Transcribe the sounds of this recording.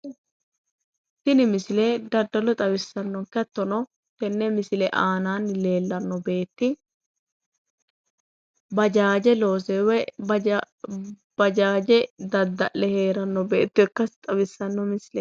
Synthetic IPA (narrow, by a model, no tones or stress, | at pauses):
t̪ɪnɪmɪsɪlɛd̪ɐd̪ːɐlɔt̪ʼɐbɪsːɐnːɔŋkɛt̪ːɔnɔ | t̪ɛnːɛmɪsɪlɛʔaːnaːnle̞ːlːɐnːɔbe̞ːt̪ːɪ | bɐd͡ʒaːd͡ʒɛlo̞ːsɛwɛ | b̥ɐd͡ʒaːd͡ʒɛd̪ɐd̪ːɐʔɛheːɾɐnːɔbḛːt̪ːɔɛkːɐsɪ̥t̪ʼɐbɪsːɐnːɔmɪsɪlɛ